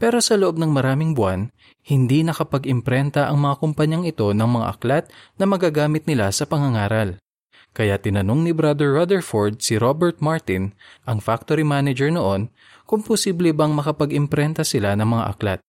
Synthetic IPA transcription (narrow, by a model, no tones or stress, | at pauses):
pɛɾo̞sɐloʔo̞b̚nɐŋmɐɾaːmɪŋbwan | hɪnd̪inɐkɐpɐɡɪmpɾɛnt̪ɐʔɐŋmɐŋakʊmpɐɲaŋɪt̪o̞nɐŋmɐŋa̰ʔɐ̰klat̪̚nɐmɐɡaːɡaːmɪt̪̚nɪlasɐpɐŋɐŋaːɾɐl | kɐjat̪ɪnɐno̞ŋnɪbɾad̪ɛɹːad̪ɛɹfoɹd̪̚sɪɾobɛɹt̪̚maɹt̪ɪnʔɐŋfak̚t̪oɾimaːnɛd͡ʒɛɹnoʔo̞n | kʊŋposiːblɛbɐŋmɐkɐpɐɡɪmpɾɛnt̪ɐsɪlanɐŋmɐŋa̰ʔɐ̰kla̰t̪̚